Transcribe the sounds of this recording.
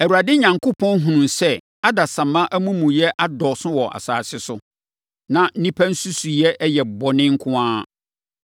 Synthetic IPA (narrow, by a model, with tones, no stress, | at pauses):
ɛ˨u˨ɾa˨dɪ˦ɲã˨ŋkʰo˦pʰɔ̃˦n˦ɦũ˨nũ˨nsɛ˦ | a˦da˨sã˨mã˦ʔæ˦mũ˦mũ˨jɛ˦ʔa˦dɔ˨sʊ̃˦wɔ˨ʔa̰˨saː˨sɪ˦sʊ˦ | nã˨n̩˦nĩ˦pʰæ˦n̩˦su˦su˨jɛ˦ʔɛ˦jɛ˨bɔ˨nɪ̃˦ŋ̩˦kʰʊ̃˦ãː˦